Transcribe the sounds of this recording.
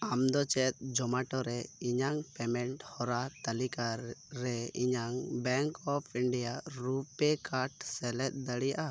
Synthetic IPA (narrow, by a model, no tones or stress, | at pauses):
amd̪ɔt͡ʃɛt̪̚ˀd͡ʒɔmaʈɔɾɛiɲaŋpɛmɛɳʈhɔɾat̪alikaɾɛiɲaŋbɛŋkɔpʰiɳɖijaɾupɛkaɾʈsɛlɛt̪̚d̪aɽijaʔa